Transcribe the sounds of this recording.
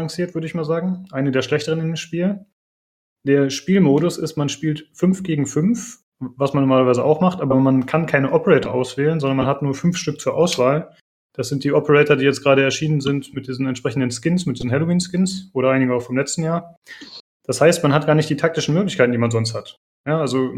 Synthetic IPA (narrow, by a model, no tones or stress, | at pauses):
aŋsiːɐtv̥ʏɐɾəɪçmaːlzaːɡŋ̩ʔaɪnədeːɐʃlɛçtəʁ̞ənɪndeːmʃpiːl | d̥eːɐʃpiːlmoːɾʊsɪstmanʃpiːltfʏnfɡ̥eːɡŋ̩fʏnf | vasmanːɔɐmaːlɐvaɪzəʔa̰ʊxmaχtʔaːbɐmankʰankʰaɪnəʔɔpəʁɛːtɐʔaʊsv̥ɛːlənzɔndɐnmanɦatnuːɐfʏnfʃtʏk̚t͡suːɐʔaʊsv̥aːl | d̥asz̥ɪnt̚d̥iːʔɔpəʁɛːtɐdiːjɛt͡stɡ̥ʁaːɾəɛɐʃiːnənzɪntmɪt̚d̥iːzən̩ɛntʃpʁ̥ɛçn̩dənskɪnsmɪt̚d̥iːzn̩hɛlowiːnskɪnsʔoːɾɐʔaɪnɪɡəaʊfɔɪmlɛt͡stn̩jaːɐ | d̥ashaɪstmanɦat̚ɡ̥aːɐnɪçtd̥iːtʰak̚tɪʃn̩møːklɪçkʰaɪtn̩diːmanzɔnsthat | jaːalzo